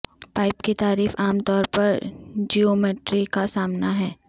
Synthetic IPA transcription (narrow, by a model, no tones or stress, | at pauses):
paːɪpket̪aːɾiːfaːmt̪ɔːɾpɐɾd͡ʒioːmeːʈɾikasaːmnaɦɛː